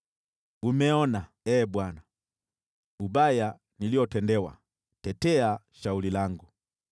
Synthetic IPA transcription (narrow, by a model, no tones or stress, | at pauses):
umɛɔna | ɛːbwana | ubaja | niliɔtɛndɛwa̰ | tɛtɛaʃaulilaŋɡu